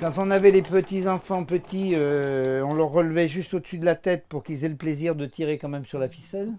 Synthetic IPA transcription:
kɑ̃t̪ɔ̃navɛlepət̪izɑ̃fɑ̃pət̪iøɔ̃lœʁːəlvɛʒyst̪od̪əsyd̪əlat̪ɛt̪̚puʁkilzɛləpleziʁd̪ət̪ʰiʁekɑ̃mɛmsyʁlafisɛl

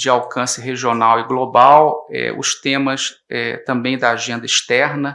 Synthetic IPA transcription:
d͡ʒɪawkɐ̃sɪɦeʒionawɪɡlobawɛ̰ʊ̰ʃt̪ẽmɐs | ɛt̪ɐ̃mbẽj̃d̪ɐaʒẽnd̪ɐiʃt̪ɛɾnɐ

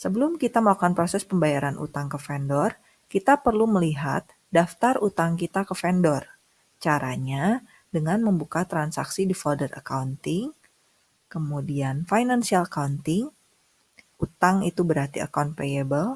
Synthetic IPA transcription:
səbəlʊmkit̪aməlakanpɾosɛspəmbajaɾanʔṵt̪aŋkəfɛndɔr | kit̪apərluməliɦa̰t̪̚ | daft̪arut̪aŋkit̪akəfɛndɔr | t͡ʃaɾʔaɲa | dəŋanməmbukat̪ɾansa̰ksidifɔrdərə̰kaunt̪ɪŋ | kəmudianfajnansialakaunt̪ɪŋ | ut̪aŋit̪ubəɾart̪ia̰kawnt̪̚peebəl

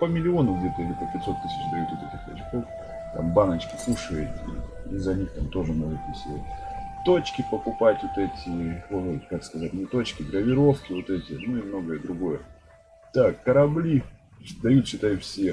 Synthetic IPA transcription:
pəmʲɪlʲɪo̞nʊɡdʲet̪əɪlʲipəpʲɪt̪ʲso̞t̪ːɨsʲɪ̥t͡ɕd̪ɐjut̪ʲot̪etʲɪxt̪ɐ̰t͡ɕko̞f | t̪a̰mbanət͡ɕkʲɪ̥fuʂɨəɪtʲɪ̰ | izɐnʲixt̪amt̪o̞ʐɨmnoɡət̪nʲɪsʲɪa̰tʲt̪o̞t͡ɕkʲɪpəkʊpatʲvot̪ɛtʲɪokakskɐzatʲnʲɪt̪o̞t͡ɕkʲɪɡ̪ɾəvʲɪɾo̞fkʲɪvo̞t̪ɛtʲɪnuɪmno̞ɡəjəd̪ɾʊɡo̞jə | t̪akːəɾɐblʲi | d̪ɐjut̪ɕɪt̪ajʊfsʲe

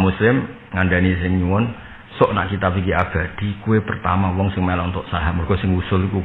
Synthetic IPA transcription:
muslɪm | ŋaɳɖanis̬ɪŋɲuwɔn | sɔʔna̰ʔkit̪apikiʔab̥a̤d̪̥i̤kuwepərt̪a̰mawɔŋsɪŋmelɔŋt̪ɔʔsaɦamɔrɡ̥ɔ̤sɪŋwusʊliku

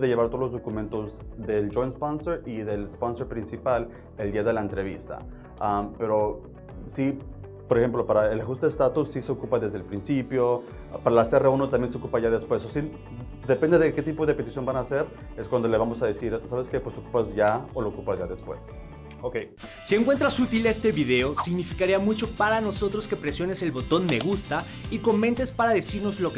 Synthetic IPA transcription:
ðe̞ʝeβaɾt̪o̞olo̞zðo̞kumẽnt̪o̞zðe̞ld͡ʒo̞jnsponse̞ɾiðe̞lsponseɾpɾinsipal | e̞ld̪iaðe̞laent̪ɾe̞β̞ist̪a̰ | ampe̞ɾo̞ | si | poɾexe̞mplo̞paɾaelaxust̪e̞est̪at̪ussise̞o̞kupaðe̞zðelpɾinsipjo̞ | paɾalasereunot̪amje̞nseokupaʝaðe̞spwe̞sosi | d̪e̞pe̞nd̪eðeke̞t̪ipo̞ðe̞pe̞t̪isjo̞nbanaːse̞ɾ | eskwand̪o̞le̞βamosaðesiɾsaβeskepwesokupazʝaoloːkupazʝaðe̞spwe̞̰s | okej | sie̞ŋkwe̞nt̪ɾasut̪ile̞st̪e̞βiðe̞o̞siɣnifikaɾiamut͡ʃo̞paɾano̞so̞t̪ɾo̞ske̞pɾesjo̞ne̞se̞lβo̞t̪o̞nme̞ɣust̪a | iko̞mẽ̞nt̪e̞spaɾaðe̞siɾno̞zlo̞k

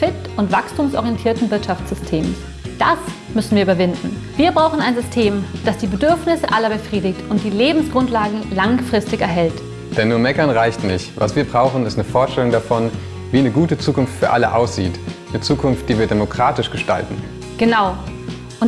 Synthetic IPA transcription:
fɪtʔʊntv̥akstʰuːmsʔɔ̰ʁjɛntʰiːɐtn̩vɪɐtʃaft͡sz̥ʏstʰeːmə | d̥as | mʏsn̩viːɐyːbɐvɪndn̩ | v̥iːɐbʁaʊxn̩aɪnzʏstʰeːmd̥asd̥iːbədʏɐfnɪsəʔalɐbəfʁ̥iːdɪktʊnt̚d̥iːleːbm̩sɡ̥ʁʊntlaːɡŋ̩laŋfʁ̥ɪstɪçɛɐɦɛlt | d̥ɛnːuːɐmɛkɐnʁaɪçtnɪçtva̰sv̥iːɐbʁaʊxn̩ɪstnəfoːɐtʃtɛlʊŋdafɔn | viːnəɡuːtət͡suːkʊnftfyːɐʔa̰lə̰ʔa̰ʊsz̥ḭːt | nət͡suːkʰʊnft̚d̥iːviːɐdemokʁ̥aːtɪʃɡ̥əʃta̰ltn̩ | ɡ̥ənaʊ | ʔʊn

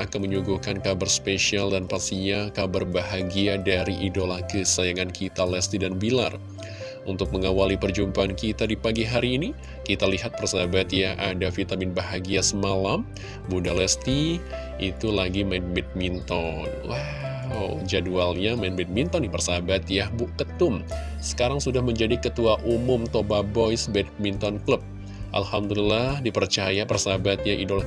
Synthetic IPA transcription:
akanməɲuɡuhkankabərspeʃialdanpasiɲakabərbaɦaɡiadaɾiʔidolahkəsajaŋankʰit̪alɛst̪idanbila̰r | unt̪ʊk̚məŋawalipərd͡ʒumpaːnkit̪adipaɡiɦaɾiːni | kit̪aliɦat̪̚pərsabat̪jaʔadafit̪amɪnbaɦaɡiasəmalam | budalɛst̪i | it̪ulaɡimanbɛt̪̚mint̪ɔnwa | wd͡ʒadualɲamanbɪt̪̚mint̪ɔnpərsabat̪jahbukət̪ʊm | sə̥kaɾaŋsudahməɲd͡ʒadikət̪uaʔumʊmt̪obabɔjsbɛt̪̚mint̪ɔnkləp̚ | ʔa̰lhamdulilːahdipərt͡ʃajapərsabat̪̚jaʔidɔl

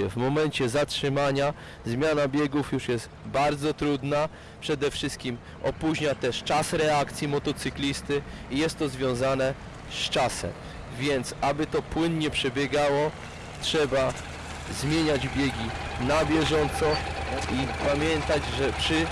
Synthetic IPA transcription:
vmɔmɛnt͡ɕɛzatʂɘmaɲa | zmʲjanabʲjɛɡufjuʂjɛst̪baɾd̪zɔt̪ɾud̪na | pʂɛd̪ɛfʂɘst̪̚kʲim | ɔpuʑɲat̪ɛʂt͡ʂasɾɛak̚t̪sʲjimɔt̪ɔt̪sɘklʲist̪ɘijɛst̪ːɔzvʲjɔ̃w̃zanɛ | st͡ʂasɛ̰m | vʲjɛnt̪sabɘt̪ɔpwɘnɲɛpʂɛbʲjɛɡawɔ | tʂɛba | zmʲjeɲad͡ʑbʲjeɡʲinabʲjɛʐɔnt̪sɔipamʲjɛnt̪ad͡ʑʐɛpʂɘ

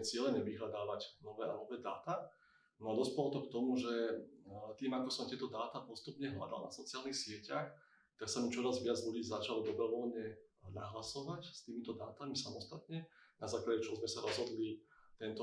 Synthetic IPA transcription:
t͡sɪɛlɛɲɛʋiɦlad̪aːʋacnɔʋɛːʔa̰nɔʋɛːd̪a̰ːt̪aː | nɔad̪ɔspɛlɔt̪ɔkt̪ɔmuʒɛ | t̪iːmakɔsɔmt̪ɪɛt̪ɔd̪aːt̪aːpɔst̪upɲɛɦla̰d̪a̰lna̰sɔt͡siɪaːlnixsɪɛcax | t̪aksamit͡ʃɔɾazʋɪad͡zʎuɟiːzat͡ʃalɔd̪ɔbɾɔʋɔlɲɛna̰ɦlasɔʋacst̪iːmit̪ɔd̪aːt̪amisamɔst̪at̪ɲɛnazaːklaɟɛt͡ʃɔɦzmɛsaɾɔzɦɔd̪lit̪ɛnt̪ɔ

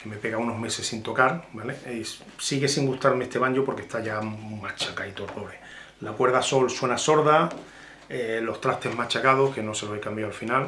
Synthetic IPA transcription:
ke̞me̞pe̞ɣauno̞ɦme̞se̞sːint̪o̞kaɾbale | siɣe̞siŋɡust̪aɾmeest̪e̞βaɲɟopo̞ɾke̞hst̪aʝamat͡ʃakait̪oroɾe | lakwe̞ɾðaso̞lswe̞naso̞ɾða | elo̞ht̪ɾat̪e̞ɦmat͡ʃakað̞o̞hke̞no̞se̞loekambjawalfinal

